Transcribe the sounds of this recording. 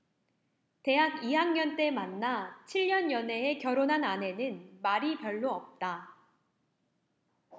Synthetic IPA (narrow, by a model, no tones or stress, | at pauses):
te̞ɦaɡiɦaŋɲʌnt͈e̞manːat͡ɕʰiʎɲʌnjʌne̞ekjʌɾonɦanane̞nɯnmaɾipjʌɭːoʌp̚t͈a